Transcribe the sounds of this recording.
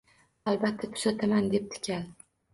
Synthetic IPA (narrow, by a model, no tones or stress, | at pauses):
albat̪ʰːat̪ʰʊ̥sat̪ʰamand̪e̞p̚t̪ʰɪ̥kʲʰal